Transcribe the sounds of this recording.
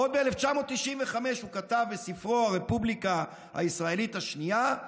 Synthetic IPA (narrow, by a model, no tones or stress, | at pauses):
o̞d̚beeleft͡ʃamo̞t̪ːiʃinveχame̞ʃhukat̪avbesifʁoaʁe̞publika | ha̰isʁae̞lit̪haʃnia